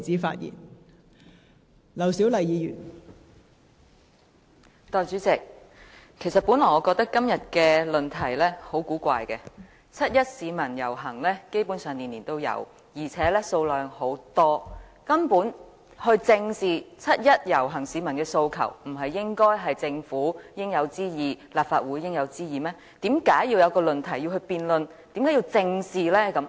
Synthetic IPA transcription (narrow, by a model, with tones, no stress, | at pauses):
t͡siː˨˥fa̰ː˧t̚jḭː˨˩n | lɐ˨˩wsi˨˥wlɐ˨jiː˨˧jyː˨˩n | t̪ɔː˨˧jt͡ʃyː˨˥t͡sɪ˨k̚ | kʰe˨˩js̬ɐ˨t̚puː˨˥nlɔː˨˩ŋɔ˨˧kɔː˧k̚t̪ɐ˥kːɐ˥mjɐ˨t̚kɛː˧lɵ˨nt̪ʰɐ˨˩jlɛː˥ho˨˥wkuː˨˥kʷa̰ː˧jkɛː˧ | t͡sʰɐ˥t̚jɐ˥t̚siː˨˧mɐ˨˩njɐ˨˩wɦɐ˨˩ŋlɛː˥ke˥jpuː˨˥nsœː˨˩ŋliː˨˩nliː˨˩nt̪o˥wjɐ̰˨˧˥w | jiː˨˩t͡sʰɛː˨˦˥lɛː˥so˧wlœː˨˧ŋho˨˥wt̪ɔː˥kɐ˥mpuː˨˥n | hɵ˧ɥt͡sɪ˧ŋsiː˨t͡sʰɐ˥t̚jɐ˥t̚jɐ˨˩wɦɐ˨˩ŋsiː˨˧mɐ˨˩nkɛː˧so˧wkʰɐ̰˨˩wm̩˨˩ɦɐ˨jːɪ˥ŋkɔː˥jɦɐ˨jt͡sɪ˧ŋfuː˨˥˧ɪ˥ŋjɐ˨˧wt͡siː˥jiː˨laː˨p̚faː˧t̚wu˨˧˥jkɪ˥ŋjɐ˨˧wt͡siː˥jiː˨mɛː˥ | t̪iː˨˥mkaː˨˥jjiː˧wjɐ˨˧wkɔː˧lɵ˨˧nt̪ʰɐ˨˩ji˧whɵ˧ɥpiː˧nlɵ˨˧nt̪i˨mkaː˨˥ji˧wt͡sɪ˧ŋsiː˨lɛː˥kɐ˨˥m